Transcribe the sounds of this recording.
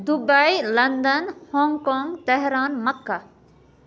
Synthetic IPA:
d̪ubailɐnd̪ənhõːŋɡkoːŋɡt̪ɛɦɾaːnmɐkːa

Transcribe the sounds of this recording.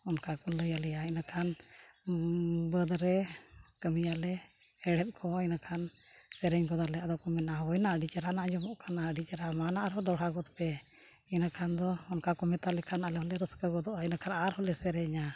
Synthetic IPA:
ɔnkakɔləjalɛjainakʰan | bəd̪ɾɛkəmijalɛ | ɛɽɛt̪̚ˀkʰɔinakʰan | sɛɾɛɲɡɔd̪alɛad̪ɔkɔmɛnawɔjnaʔəɖit͡ʃaɾanaʔd͡ʒɔmɔʔkanaəɖit͡ʃɾamanaʔɾɔd̪ɔɽ̤aɡɔt̪pɛ | ɛnakʰand̪ɔːnkakɔmɛt̪alɛkʰanalɛɦɔlɛɾəskəɡɔd̪ɔʔainakʰanaɾhɔlɛsɛɾɛɲa

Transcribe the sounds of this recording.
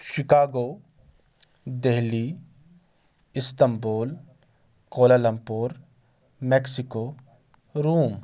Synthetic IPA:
ʃɪkaːɡoː | d̪eɦli | ɪst̪ɐmboːl | koːlalɐmpoːɾ | mɛːksɪkoː | ɾuːm

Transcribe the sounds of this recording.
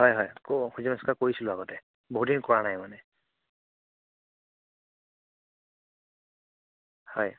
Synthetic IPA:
ɦɔjɦɔjkoxuzimɛskakoɹisilʊaɡɔtɛ | boɦudinkɔɹanajmanɛ | hɔj

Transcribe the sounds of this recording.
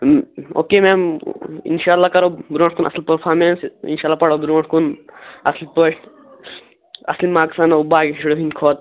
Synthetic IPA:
o̰ːkeːmɛːmḭnʃaːlːaːkɐɾobɾõːɳʈkunʔɐ̰slʲpəɾpʰaːɾmeːnsḭnʃaːlːaːpɐɽobɾoːɳʈkunɐslipəʃ | ɐ̰slimaːksaːnaubaːɡiʃuɽoɦinkʰoːt̪̚

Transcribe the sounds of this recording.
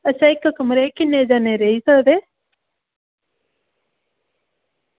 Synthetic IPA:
əʃʰaɪkːkəmɾekɪnːed͡ʒaːneɾəɦisəd̪eː

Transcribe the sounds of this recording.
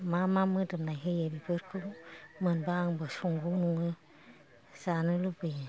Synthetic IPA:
mamamɯdɯmnajɦejebibɯɾkʰɯwmɯnbaŋbɯsuŋɡuwnuŋɯ | zanɯlubɯj

